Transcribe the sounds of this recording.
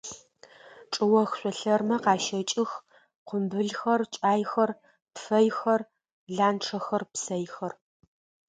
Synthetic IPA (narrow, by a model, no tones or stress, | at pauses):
ʈ͡ʂʼɨwɐxɕʷʼɔɬɐrmɐqɑːʃɐt͡ʃʼɪx | qʷʊmbɨɮxɐrt͡ʃʼaːjxɐr | pfɐjxɐr | ɮaːnʈ͡ʂʰɐxɐrpsɐjxɐr